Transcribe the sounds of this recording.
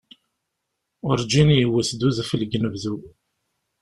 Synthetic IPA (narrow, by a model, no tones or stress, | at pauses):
ʊɾd͡ʒinjəwːəsd̪uðfəlɡnəvðu